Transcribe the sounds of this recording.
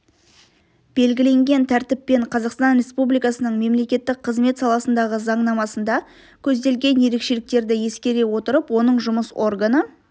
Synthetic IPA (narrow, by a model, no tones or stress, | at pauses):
b̥e̞lɡʲɪle̞ŋɡʲe̞nt̪ʰæɾt̪ɪpːe̞ɴqʰɑzɑqst̪ɑnrʲe̞spublijkɑsənəɴme̞mle̞kʲe̞t̪ːɪk̚qʰːəzme̞t̪sɑlˠɑsənd̪ɑʁəzɑɴnɑmɑsənd̪ɑ | kʲʰɵzd̪e̞lɡʲe̞nje̞ɾe̞kʃe̞lɪk̚t̪e̞ɾd̪ɪje̞skʲe̞ɾe̞wo̞t̪əɾəpwo̞nəɴʒʊməso̞rɡanə